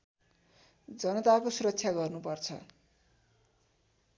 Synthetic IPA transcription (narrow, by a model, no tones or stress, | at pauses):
d͡zʌnʌt̪akosuɾʌk̚t͡sʰjaɡʌrnupʌrt͡sʰʌ̰